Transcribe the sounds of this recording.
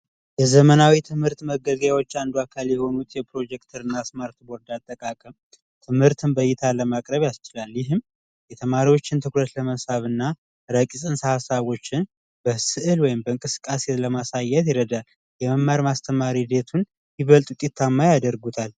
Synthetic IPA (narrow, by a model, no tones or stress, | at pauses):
jɛzəmənawit̪ʰɨmhɨɾt̪məɡəɡjawo̞t͡ʃːand̪uakʰaljɛho̞nut̪jɛpɾo̞d͡ʒɛkt̪ʰəɾɨnːasmaɾt̪bo̞ɾd̪at̪ʼːəkʼakʼəm | t̪ʰɨmhɨɾt̪ʰɨnbəjːɪt̪ʰaləmakʼɾəβjast͡ʃɪlalːjɪɦɨm | jɛt̪ʰəmaɾiwo̞t͡ʃːɪnt̪ʰɨkɾət̪ləməsaβɨnːa | ɾəkʼisʼɨnsahasaβo̞t͡ʃːɪn | b̥əsɨʔɨlwɔjɪmbəɨŋkʼɨsɨ̥kʼːaseləmasajːɛt̪jɛɾəd̪al | jɛməmːaɾmast̪ʰəmaɾid̪e̞t̪ʰun | jɪβəlt̪ʼut̪ʼit̪ʰːamːajad̪əɾɡut̪ʰal